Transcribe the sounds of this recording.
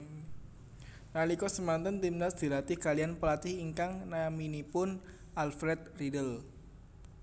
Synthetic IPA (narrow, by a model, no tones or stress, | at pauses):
nalikɔsəmant̪ənt̪imnasd̪̥i̤lat̪ɪhkalianpəlat̪ɪhiŋkaŋnaminipʊn | alfɾɛt̪̚ridəl